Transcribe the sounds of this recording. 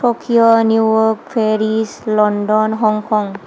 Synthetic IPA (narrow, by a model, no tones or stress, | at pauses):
okʰiɔnjujɔkpʰeɾislɔndɔnɦɔŋkʰɔŋ